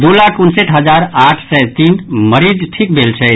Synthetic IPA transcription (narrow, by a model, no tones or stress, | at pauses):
d̪olakunseʈɦəd͡ʒaɾaʈʰsɛjt̪inməɾid͡ʒʈʰik̚bʱelt͡ʃʰɛ